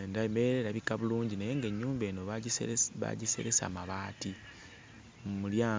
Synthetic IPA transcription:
ndaβimeɾeɾaβikaβuluːɲɟinajeŋɡe̞ɲːuːmbe̞ːno | βa̰ɟise̞̰ɾesa̰ːmaβaːti | mumuljaː

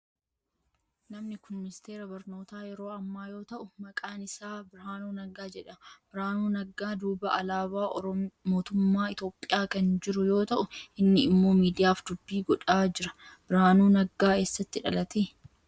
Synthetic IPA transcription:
nɐmnɪkʊnmɪnɪst̪e̞ːɾɐbɐɾno̞ːt̪aːjɛɾo̞ːɐmːaːjo̞ːt̪ɐʔʊmɐkʼaːnɪsaːbɪɾaːnuːnɐɡaːd͡ʒɛᶑɐb̥ɪɾaːnuːnɐɡaːd̪uːbɐʔɐlaːbaːʔɔɾɔmo̞ːt̪ʊmːaːɪt̪o̞ːpʼːɪjaːkɐnd͡ʒɪɾʊjo̞ːt̪ɐʔʊʔɪnːɪɪmːoːmiːd̪ɪjaːfd̪ʊbːiːɡɔᶑaːd͡ʒɪɾɐb̥ɪɾaːnuːnɐɡaːe̞ːsːɐt̪ːɪᶑɐ̰lɐt̪eː

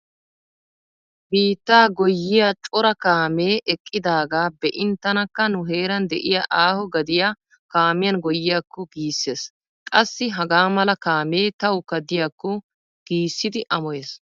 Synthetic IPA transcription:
biːt̪ːaːɡɔjːɪjat͡ʃʼɔɾɐkaːmeːʔɛkʼːɪd̪aːɡaːbɛʔɪnt̪ːɐnɐkːɐnʊɦe̞ːɾɐnd̪ɛʔɪjaʔaːhɔɡɐd̪ɪja | kaːmɪjɐnɡɔjːɪjakːɔɡiːsːeːs | kʼɐsːɪɦɐɡaːmɐlɐkaːme̞ːt̪ɐwʊkːɐd̪ɪjakːɔ | ɡ̥iːsːɪd̪ɪʔɐmɔjeːs

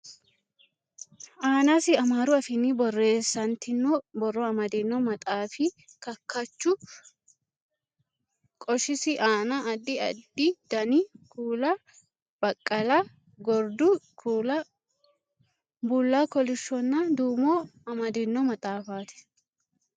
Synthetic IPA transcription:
ʔaːnɐsɪɐmaːɾʊɐfɪnibɔrːe̞ːsːɐnt̪ɪnːɔbɔrːɔɐmɐd̪ɪnːɔmɐt̪ʼaːfɪ | kɐkːɐt͡ʃːʊ | kʼɔʃɪsɪʔaːnɐɐd̪ːɪɐ̰d̪ːɪd̪̥ɐnɪkʰuːlɐ | b̥ɐkʼːɐlɐ | ɡɔɾd̪ʊkuːlɐ | bulːaːkɔlɪʃːɔnːɐd̪uːmoːɐmɐd̪ɪnːɔmɐt̪ʼaːfaːt̪ɛ̥

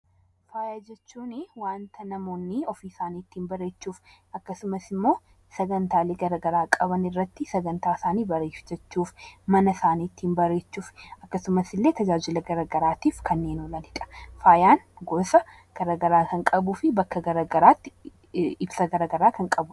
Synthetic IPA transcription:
faːjaːd͡ʒɛt͡ʃːuːnɪwaːnt̪ɐnɐmo̞ːnːiɔfiːsaːniːt̪ːinbɐɾe̞ːt͡ʃːuːf | ɐkːɐsʊmɐsɪmːo̞ː | sɐɡɐnt̪aːleːɡɐɾɐɡɐɾaːkʼɐβɐnɪrːɐt̪ːɪsɐɡɐnt̪aːsaːniːbɐɾeːfd͡ʒɐt͡ʃːuːfmɐnɐsaːniːt̪ːinbɐɾe̞ːt͡ʃːuːfɐkːɐsʊmɐsɪlːe̞ːt̪ɐd͡ʒaːd͡ʒɪlɐɡɐɾɐɡɐɾaːt̪iːfkʰɐnːeːnɔlɐlɪkʼɐ̥faːjaːnɡoːsɐ | ɡ̥ɐɾɐɡɐɾaːkɐŋkʼɐbʊfɪbɐkːɐɡɐɾɐɡɐɾaːt̪ːɪ | ɪbsɐɡɐɾɐɡɐɾaːkɐŋkʼɐbʊ

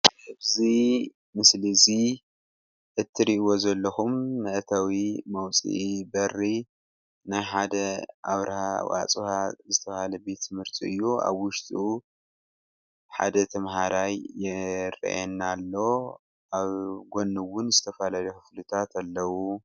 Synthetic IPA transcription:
ɨβzi | mɨslizi | ʔɨt̪ʰːiɾiʔwo̞zɐlːɐxumːɐʔt̪ʰawimɐwt͡sʼḭʔbɐrːi | najħad̪ɐʔaβɾɐhawa̰t͡sʼuhazɨt̪ʰɐβhalɐbe̞t̪mɨɾt̪ʼiɨjːua̰βwʊʃt̪ʼu | ħa̰d̪ɐt̪ʰɐmhaɾajːɪɾḭʔɛnːalːo̞ | aβɡo̞nːɨwʊnzɨt̪ʰɐfalalɐkɨflɨt̪ʰat̪alːɐwu

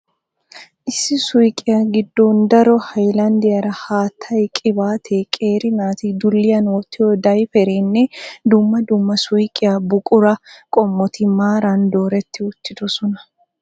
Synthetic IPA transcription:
ʔɪsːɪsʊjkʼɪjaɡɪd̪ːoːnd̪ɐɾɔhɐjlɐnd̪ɪjɐɾɐhaːt̪ʰːɐjkʼɪbaːt̪ʰeːkʼeːɾɪnaːt̪ɪd̪ʊlːɪjɐnwɔt̪ːɪɔd̪ɐjfɛɾenːɛd̪ʊmːɐd̪ʊmːɐsʊjkʼɪjabʊkʼʊɾɐkʼɔmːɔt̪ɪmaːɾand̪o̞ːɾɛt̪ːɪʊt̪ːɪd̪ɔsɔnɐ̥

